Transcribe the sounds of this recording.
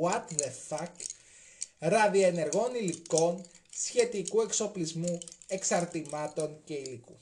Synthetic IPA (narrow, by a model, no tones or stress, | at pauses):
ɐt̪ðefɐk | ɾɐðioene̞ɾɣo̞niliko̞n | sçe̞t̪ikue̞kso̞plizmue̞ksɐɾt̪imɐt̪o̞ɲce̞ilikṵ